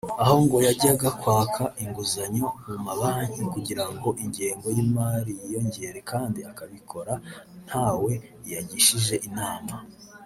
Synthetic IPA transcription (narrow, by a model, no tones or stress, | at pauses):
aho̞ŋɡo̞jaɟiaɡakwaːkʰaʔiŋɡuzaɲo̞mumaβaɲikuɟiɾaŋɡo̞ʔiɲɟeːŋɡo̞jimaːɾijijo̞ɲɟe̞ɾe̞kaːndiakaβikʰo̞ɾa | n̥haːwe̞ | ijaɟiʃiʒe̞ʔinaːma